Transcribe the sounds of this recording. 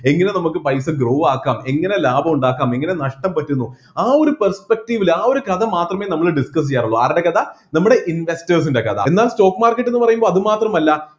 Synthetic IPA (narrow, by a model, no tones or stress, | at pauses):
e̞ŋːɐne̞nɐmukːɨpɐjsɨɡroːʋaːkːaːme̞ŋːɐne̞laːbʱɐmuɳɖaːkːaːme̞ŋːɐne̞nɐʂʈɐmpɐtːunːu | aːo̞ɾupɐrspek̚ʈiʋilaːo̞ɾukɐðɐmaːt̪rɐme̞ːnɐmːɐɭɖiskɐs̬ijːaːɾuɭːoːɐ̰ɾiɽekɐðɐnɐmːuɽe̞ʔinʋe̞stɐrs̬indekɐ̰d̪ɐ̰e̞nːaːlsto̞ːkːmaːrkːɐʈːe̞nːɨpɐrɐjumboːɐðɨmaːt̪rɐmɐlːɐ